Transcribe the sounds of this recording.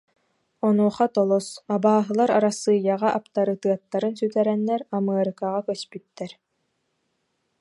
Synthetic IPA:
ɔnuɔχat̪ɔlˠɔsabaːɦɯlˠaɾaɾasːɯːjːaʁaʔapt̪aɾɯt̪ɯɐt̪ːaɾɯnsyt̪ɛɾɛnːɛɾamɯɐɾɯkaʁakœspyt̪ːɛɾ

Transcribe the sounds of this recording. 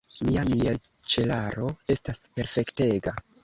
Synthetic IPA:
miamiel | t͡ʃe̞laɾoe̞staspe̞ɾfe̞kte̞ɡa

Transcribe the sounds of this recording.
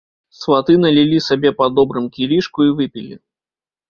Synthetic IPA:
svɐt̪ɨnɐlʲɪlʲisɐbʲepɐd̪ɔbɾɨmkʲiɾʲiʂkʊivɨpʲɪlʲɪ̰

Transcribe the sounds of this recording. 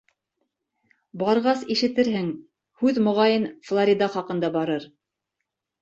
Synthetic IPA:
bɑɾʁɑsiʃɘ̆t̪ɘɾhɘŋ | hʉðmŏʁɑjɤnflˠoɾʲid̪ɑχɑqɤ̆nd̪ɑbɑɾɤɾ

